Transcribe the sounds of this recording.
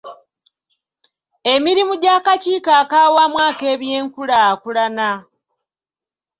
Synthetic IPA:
e̞miɾimuɟakaciːkaːkaːwamwaːke̞ːβje̞ːŋkulakulana

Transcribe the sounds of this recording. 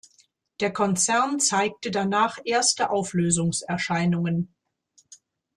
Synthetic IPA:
d̥eːɐkʰɔnt͡sɛɐnt͡saɪk̚tədanaːχʔeːɐstəʔaʊfløːzʊŋsɛɐʃaɪnʊŋən

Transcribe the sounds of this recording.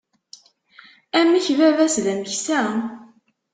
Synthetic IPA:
æmːiçvævæsðæməçsæ

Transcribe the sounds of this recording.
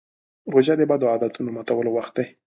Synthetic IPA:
ɾoʒad̪əbad̪oad̪at̪unomat̪awəlowaxt̪̚d̪aj

